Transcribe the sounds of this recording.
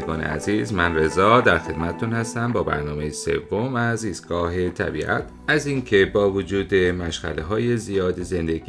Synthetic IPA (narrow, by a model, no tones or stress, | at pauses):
eɡɒːnḛæ̰ziːzmænre̞zɒːd̪æɾxe̞d̪̥mæt̪ʰet̪ʰunhæst̪æmbɒːbæ̰ɾnɒːme̞jese̞̰vːomæziːst̪̚ɡ̥ɒːɦe̞t̪ʰæ̰bḭːʔæ̰t̪ʰʔæziŋcʰe̞bɒːvod͡ʒuːd̪emæʃɣæ̰leɦɒːjezijɒːd̪eze̞nd̪eɡ